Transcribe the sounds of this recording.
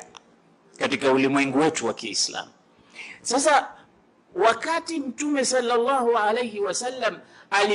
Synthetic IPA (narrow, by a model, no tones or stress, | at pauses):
katikaulimwɛŋɡuwɛtuwakiːsla̰mu | sasa | wakatim̩tumɛsɑlːalˤːɑːhualejhiwasalːamali